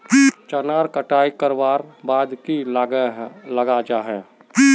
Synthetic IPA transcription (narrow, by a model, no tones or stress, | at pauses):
t͡ʃənaːɾkəʈaːikəɾwaːɾbaːd̪ki | ləɡad͡ʒaːɦɛː